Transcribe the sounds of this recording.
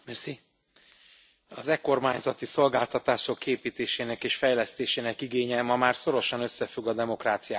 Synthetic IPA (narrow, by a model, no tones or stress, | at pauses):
mɛrsi | ɒzɛko̞rmaːɲzɒt̪iso̞lɡaːlt̪ɒt̪aːʃo̞kːeːpiːt̪eːʃeːnɛkeːʃfɛjlɛst̪eːʃeːnɛkiɡeːɲɛmɒmaːrso̞ɾo̞ʃɒnøsːɛfyɡɒd̪ɛmo̞kraːt̪sijaː